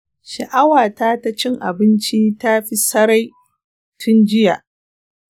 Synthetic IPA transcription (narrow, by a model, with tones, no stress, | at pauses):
ʃɐ˨ʔa˦waː˨taː˦ta˦t͡ʃɪ˦ŋʔa̰˨bɪ˦nt͡ʃi˦ta˦ɸi˦sɐ˦ɾa˦j | tʰʊ˦nd͡ʒɪ˦jaː˨ʔ